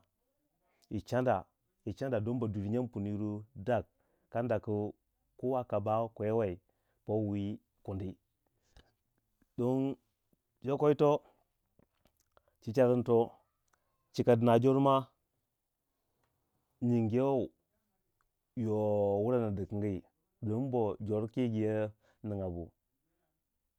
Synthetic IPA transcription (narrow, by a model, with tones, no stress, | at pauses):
i˨t͡ʃa˦nda˨ | i˨t͡ʃa˦nda˨do˦nba˨du˨ɾi˨ɲa˦pu˨ni˨ɾu˦da˦˨k̚ː | a˦nda˨kə˨ | ko˦wa˦ka˨ba˦ko˨je˦wa˨i˨ | po˦wi˦ | ku˨ndi˦ | do˦n | d͡ʒo˦ko˦i˦to˦ | t͡ʃi˦t͡ʃa˦ɾə˦nto˦ | t͡ʃi˨ka˨dɨ˨na˨d͡ʒo˦ɾma˦ | ɲi˨ŋɡe˦wo˦˨ | jo˨wu˦ɾa˦na˨di˨ki˨ɡi˦i˨ | do˨˦n˦bo˨d͡ʒo˨ɾki˦ɡi˨je˦ | ni˨ŋa˨bṵ˨